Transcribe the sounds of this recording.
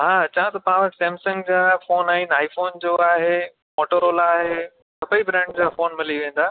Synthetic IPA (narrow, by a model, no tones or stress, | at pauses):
ɦaːt͡ɕãt̪ɐpãːʋə̃sɛ̃ːmsə̃ŋɡd͡ʑaːfoːnaːɦĩnaːifoːnd͡ʑoːaːɦe | moːʈəɾoːlaːɦe | sɐpəibɾɛ̃ːɳɖd͡ʑaːfoːnmɪliʋẽːnd̪aː